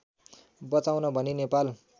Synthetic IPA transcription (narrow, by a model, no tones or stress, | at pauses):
bʌt͡sawnʌbʱʌninepal